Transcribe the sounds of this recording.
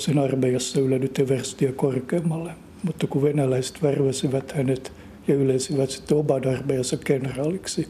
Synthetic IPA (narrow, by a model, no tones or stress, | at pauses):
senɑrmejɑsːɑylænyt̪ːeʋærst̪iækorkeːmːɑlːe | mut̪ːɑkuʋenælæise̥t̪ʋærʋæsiʋæt̪hænet̪ | jɑylensiʋæt̪si̥t̪ːeobɑnɑrmejɑsːɑkkenrɑːliksi